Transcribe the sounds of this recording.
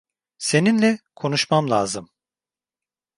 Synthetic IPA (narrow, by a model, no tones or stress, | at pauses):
se̞ninlʲɛkʰo̞nuʃmamlˠa̰ːzɯm